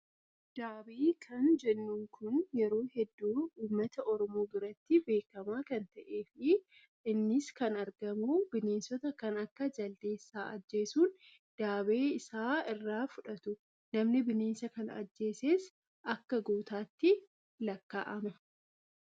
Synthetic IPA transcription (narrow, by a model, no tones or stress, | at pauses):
d̪̥aːbeːkʰɐnd͡ʒɛnːuːŋkʰʊnjɛɾo̞ːhɛd̪ːuːuːmːɐt̪ɐʔɔɾɔmoːbɪɾɐt̪ːɪbe̞ːkːɐmaːkɐnt̪ɐʔeːfɪ | ɪnːɪskɐnɐɾɡɐmubɪneːnsɔt̪ɐkɐnɐkːɐd͡ʒɐld̪e̞ːsːaːʔɐd͡ʒːe̞ːsuːn | d̪̥aːbeːɪsaːɪrːaːfʊᶑɐt̪ʊ | nɐmnɪbɪneːnsɐkɐnɐ̰d͡ʒːe̞ːseːs | ʔɐkːɐɡuːt̪aːt̪ːɪ | lɐkːa̰ːʔɐmɐ